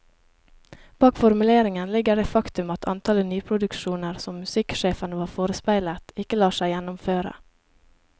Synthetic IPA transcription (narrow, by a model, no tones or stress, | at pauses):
b̥ɑːkfɔɾmʉleːɾɪŋənlɪɡəɖeːfɑkt̪ʉmɑt̪ʰɑ̰nt̪ʰɑlənyːpʰɾʊd̪ʉkʃuːnəɾsɔmːʉsɪkʃeːfənəʋɑːɾfoːɾəspæɪlət̪ɪkəlɑːʃæɪjɛnʊmføːɾə̰